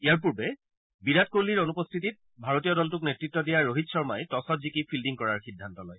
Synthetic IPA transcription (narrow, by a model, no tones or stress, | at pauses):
ijaɹp̬uɹbɛ | biɹat̚koɹliɹonupɔst̪ʰit̬it̚ | bʱaɹotijɔdɔltuknetɹitːɔdijaɹːoɦitsɔɹmajtɔsɔtzikipʰildiŋkɔɹaɹxidʱːantɔlɔj